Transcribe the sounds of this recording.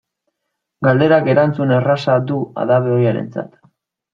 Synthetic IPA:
ɡald̪e̞ɾake̞ɾant͡sunerasad̪ua̰ðaβeojaɾe̞̰nt͡sa̰t̪

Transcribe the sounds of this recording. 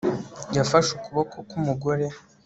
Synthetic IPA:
jafaʃukuβokʰokumuɡo̞ɾe̞

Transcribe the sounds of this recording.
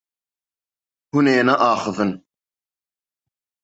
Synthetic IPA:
huneːnaʔaːχəvən

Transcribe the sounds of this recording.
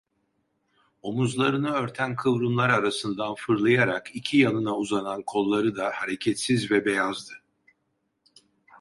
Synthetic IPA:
o̞muzlˠaɾɯnɯø̞ɾt̪ʰænkʰɯvɾunlˠaɾaɾasɯnd̪anfɯɾlˠajaɾakʰicʰijanɯnauzanankʰo̞lˠːaɾɯd̪ahaɾecʰɛt̪sizvɛbe̞jazd̪ɯ

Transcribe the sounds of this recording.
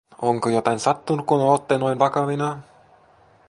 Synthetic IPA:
oŋkojot̪ɑinsɑt̪ːunukkumeot̪ːenoinʋɑkɑʋinɑ

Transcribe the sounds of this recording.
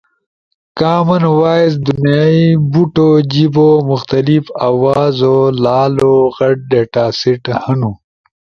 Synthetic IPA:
kaːmɐnwaːjz̬d̪unjaːibuʈod͡ʑibomʊxt̪ɐlifaːwaːzolaːloɣɐɖ̚ɖeʈaːsiʈhɐnu

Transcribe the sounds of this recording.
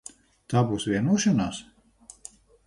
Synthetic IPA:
t̪aːbuːsvʲiɛnuɔʃanaːs

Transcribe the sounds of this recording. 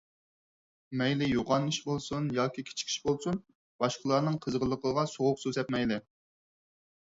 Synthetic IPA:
mɛjlɪjoʁɑnːɨʃbolˠsunjɑːkʲikʲʰe̥t͡ʃʰi̥kʲʰi̥ʃbolˠsun | b̥ɑʃqəlˠɑɾnɨŋqʰəzʁəlˠːəqʰəʁɑsoʁʊqsøzɛp̪̚mɛjlɪ

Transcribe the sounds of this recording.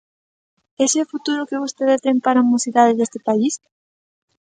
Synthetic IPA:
eseofut̪uɾʊkeβ̞ost̪eðest̪eŋpaɾamosiðaðɪðest̪ɪpais

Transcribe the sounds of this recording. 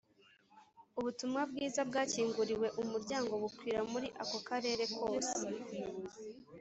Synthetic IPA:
uβutumŋab̚ɡiːzab̚ɡaːciːŋɡuɾiwe̞ʔumuɾɟaːŋɡo̞βukwiːɾamuɾiʔako̞kaɾe̞ːɾe̞kʰo̞ːsee̥

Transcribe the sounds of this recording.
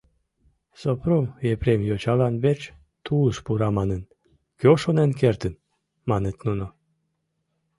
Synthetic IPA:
sopromepɾemjot͡ɕɑlɑnβet͡ɕ | t̪uləʃpuɾɑmɑnən | køʃonenk̬ert̪ən | mɑnet̪nuno

